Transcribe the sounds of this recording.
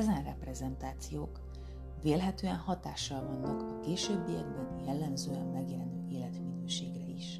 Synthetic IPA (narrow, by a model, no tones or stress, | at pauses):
ɛzɛnrɛprɛzɛnt̪aːt̪sijoːk | veːlɦɛt̪øːɛnhɒt̪aːʃːɒlvɒnːɒkɒkeːʃøːbːijɛ̰ɡ̚bɛnjɛlːɛmzøːɛmmɛɡjɛlɛnd̪øːeːlɛt̪minøːʃeːɡrɛiʃ